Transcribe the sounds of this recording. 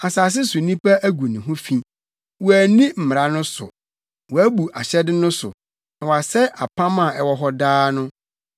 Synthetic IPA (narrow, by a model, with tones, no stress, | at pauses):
a˨saː˨s̬ɪ˦sʊ˨nĩ˦pa˦æ˦ɡʷu˨nĩ˨ɦʊ̃˦fĩ˨ | wɔ˨æ˨nĩ˦m̩˨mɪ˨ɾa˨˦nʊ̃˦sʊ̰˨ | wɔ˨æ˦bu˨a˨ɕɛ˦dɪ˦nʊ̃˦sʊ̰˨ | nã˨wa˨sɛ˦ʔa˨pʰã˦mã˨ɛ˦wɔ˦ɦɔ˦daː˦nʊ̃˦